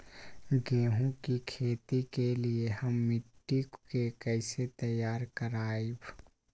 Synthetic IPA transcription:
ɡeːɦũkikʰeːt̪ikelieɦəmːɪʈːikkekɛɪset̪əjaːɾkəɾaːib

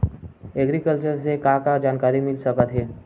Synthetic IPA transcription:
eɡɾikəlt͡ɕəɾsekakad͡ʒankaɾimilsəkət̪ɦe

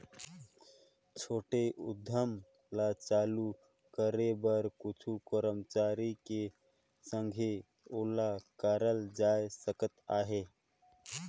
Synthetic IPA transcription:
t͡ʃʰoːʈeʔʊ̰d̪ʱəm | lat͡ʃaːlu | kəɾebəɾkʊt͡ʃʰukəɾəmt͡ʃaːɾike | sə̃ŋɡʱe | olakaːɾəld͡ʒaːjsəkət̪aːɦe

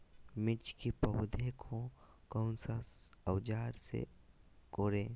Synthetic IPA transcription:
mɪt͡ʃkipɐɦʊd̪ʱekʰõkɐʊnsaəwd͡ʒaːɾsḛ | koːɾeː

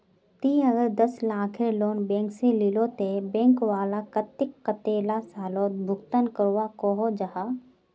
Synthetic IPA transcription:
t̪iəɡəɾd̪əslaːkʰeloːnbɛ̃ːŋkselɪlot̪ebɛ̃ːŋkwaːlakət̪ːɪkːət̪eːlasaːloːt̪̚bʱʊɡt̪ənkəɾwakoɦod͡ʒaɦaː

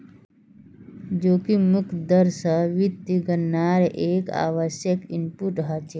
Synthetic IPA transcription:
d͡ʒoːkimukʰd̪əɾsəʋit̪ːiɡənːaːɾʔeːka̰ːʋəʃjəkimpuʈɦat͡ʃeː

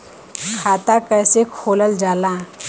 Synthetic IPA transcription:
kʰat̪akəjsekʰoləld͡ʒalã

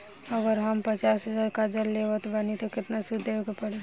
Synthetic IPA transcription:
əɡəɾɦəmpət͡ʃaːsɦəd͡ʒaːɾkad͡ʒəlːeʋət̪banit̪okɪt̪nasʊd̪ʱekepəɽe

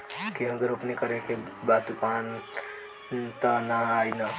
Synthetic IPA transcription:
kiʌɡəɾopnekəɾekebat̪upan | t̪ənaajnə

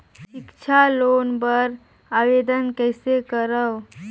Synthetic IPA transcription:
ʃɪkt͡ʃʰaloːnbəɾ | aʋed̪ənkɛjsekəɾəw

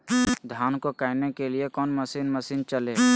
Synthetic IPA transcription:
d̪ʱjaːnkokaːɪnekeliekɔːnmɐsiːnməsiːnt͡ʃəleː

